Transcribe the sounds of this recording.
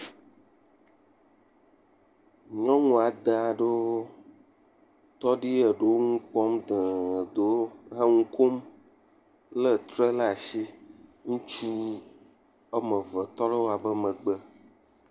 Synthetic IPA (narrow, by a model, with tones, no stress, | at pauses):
ɲɔ̃˦ŋũ˨a˨d̪a˨˦ɖo˦ | t̪ɔ˦ɖi˦ə˨ɖo˦ŋũ˦k͡pɔ˦md̪ɛ̃˨d̪o˦ɦe˦ŋũ˦ko˦m | lə˦t̪ɾɛ˦la˨si˦ŋũ˦t͡ʃu˦ | ə˦mə̃˨vɛ˨t̪ɔ˦lə˦wo˦a˨bɛ˦mɛ̃˨ɡ͡bɛ˦